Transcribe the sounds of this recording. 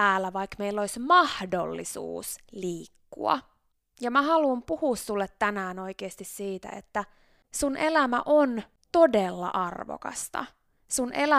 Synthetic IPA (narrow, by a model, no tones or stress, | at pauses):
æːlːæʋɑikmeilːoisʲmɑhdo̰lːḭsṵːsliːkːṵɑ̰ | jɑmæhɑlumpuhussulːet̪ːænæːnoikeːst̪issiːt̪æ̰ḛt̪ːæ | sunʔelæmæ̰ʔon | t̪odelːɑ̰ʔɑrʋo̰kɑ̰st̪ɑ̰ | sunʔelæ